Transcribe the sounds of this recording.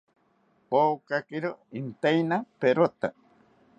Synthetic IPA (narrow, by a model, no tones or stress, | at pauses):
poːkakɪɾoint̪ejnapeɾot̪a